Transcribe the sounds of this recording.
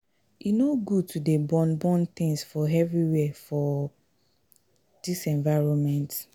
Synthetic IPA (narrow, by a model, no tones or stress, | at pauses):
inoɡud̚tʰudebɔ̃nbɔ̃nt̪ĩŋsfɔɛvɹiwɛfɔ | d̥isɛ̃ɱvaɪɹɔ̃nmɛ̃nt